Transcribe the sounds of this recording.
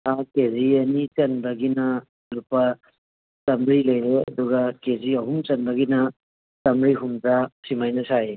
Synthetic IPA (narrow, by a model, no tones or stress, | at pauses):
akeziɐnit͡ʃɐnbɐɡinɐ | lupɐ | tɐmɾilɐjɾeɐ̰duɡɐkeziɐɦumt͡ʃɐnbɐɡinɐ | tɐmɾiɦumd͡ʒasimajnɐsae